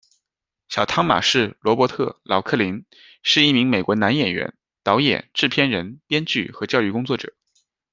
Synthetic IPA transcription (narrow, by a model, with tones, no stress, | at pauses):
ɕjɑ˨˩ʊt̪ʰɑ˥ŋma̰˨˩ʂɻ̩˥˩lwɔ˧˥pwɔ˧˥t̪ʰɤ˥˩lɑ˨˩ʊkʰɤ˥˩li˧˥ŋ | ʂɻ̩˥˧i˥˩mi˧˥ŋme˨˩ɪkwɔ˧˥na˧˥njɛ˨˩nɥɛ̰˧˥n | t̪ɑ˧˥ʊjɛ̰˨˩nʈ͡ʂɻ̩˥˩pʰjɛ˥nɻə˧˥npjɛ˥nt͡ɕy˥˩xɤ˧˥t͡ɕjɑ˥˧ʊy˥˩kʊ˥ŋt͡swɔ˥˩ʈ͡ʂɤ̰˨˩˦